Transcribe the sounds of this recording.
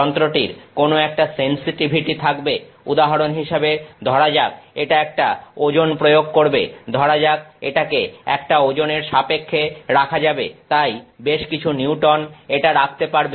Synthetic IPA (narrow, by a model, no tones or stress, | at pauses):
ɔnt̪ɾoʈiɾkonoɛk̚ʈasensiʈibʱiʈit̪ʰakbe | ud̪aɦaɾonɦiʃabed̪ʱɔɾad͡ʑak̚eʈaɛk̚ʈaod͡ʑonpɾojoɡ̚koɾbḛd̪ʱɔɾad͡ʑak̚eʈakeɛ̰k̚ʈaod͡ʑoneɾʃapekʰːeɾakʰad͡ʑabet̪ajbeʃkit͡ɕʰuniuʈɔneʈaɾakʰt̪epaɾbe